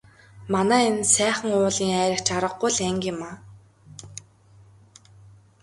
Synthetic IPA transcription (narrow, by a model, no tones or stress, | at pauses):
manæːensæːχə̆ŋʊːɮiːŋæːɾʲɪ̆kt͡ɕaɾə̆qːʊjɮæŋkʲɪ̆maː